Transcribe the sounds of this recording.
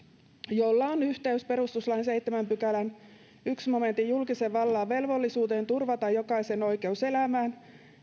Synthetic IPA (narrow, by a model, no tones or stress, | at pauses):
jolːɑonyht̪eyspe̞ɾust̪uslɑinse̞jt̪ːemæmpykælæn | yksmo̞me̞nt̪ːijulkiseʋɑlːɑːʋe̞lʋolːisuːt̪e̞ːnt̪urʋɑt̪ɑjjo̞kɑise̞no̞jke̞use̞læmæːn